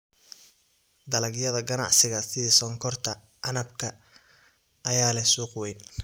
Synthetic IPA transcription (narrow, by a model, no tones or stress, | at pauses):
d̪ɐlɐɡjɐðɐɡɐnɑ̰ʕsɪɣɐsɪisɔŋkʰɔrt̪ʰɐ | ʔɐnɐbkʰɐ | ʔːjaːlɛsuːqwɛjn